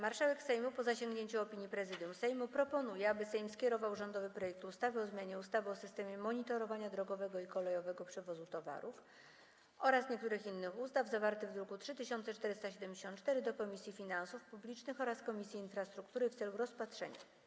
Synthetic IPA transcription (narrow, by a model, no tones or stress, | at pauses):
maɾʂawɛksɛjmupɔzaɕeŋɡɲeɲt͡ɕuɔpʲiɲjipɾɛzɘd̪jumsɛjmupɾɔpɔnujɛabɘsɛjmskʲɛɾɔvawʐɔnd̪ɔvɘpɾɔjɛk̚t̪ust̪avɛɔzmjaɲɛust̪avɘɔsɘst̪ɛmʲjɛmɔɲit̪ɔɾɔvaɲad̪ɾɔɡɔvɛɡɔikɔlɛjɔvɛɡɔpʂɛvɔzut̪ɔva̰ɾuf | ɔɾasɲɛk̚t̪uɾɘxinːɘxust̪avzavaɾt̪ɘɣd̪ɾukutʂɘt̪ɘɕɔnt̪sɛt͡ʂt̪ɛɾɘst̪aɕɛd̪ɛmd͡ʑeɕɔ̃nt̪t͡ʂt̪ɛɾɘd̪ɔkɔmʲisʲjifʲinansufpublʲit͡ʂnɘxɔɾaskɔmʲisʲjiːnfɾast̪ɾukt̪uɾɘft̪sɛluɾɔspat̪ʂɛ̰ɲa̰